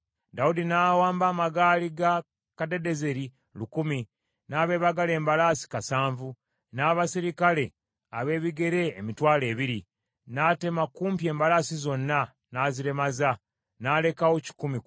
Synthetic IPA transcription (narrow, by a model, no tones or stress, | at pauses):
daudinaːwaːmbaːmaɡaːliɡa | kade̞de̞ze̞ɾi | lukumi | naːβe̞ːβaɡale̞ːmbalaːsi̥kasaːɱvu | naːβasiɾikale̞ | a̰βe̞ːβiɡe̞ɾe̞ːmitwaːle̞ːβiɾi | naːte̞makuːmpje̞ːmbalaːsizo̞nːa | naːziɾe̞maza | naːle̞kawoci̥kumi